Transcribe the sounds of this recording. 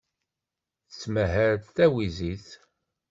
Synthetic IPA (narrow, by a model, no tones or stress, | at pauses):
θt͡sːməɦəɾθæwiziθ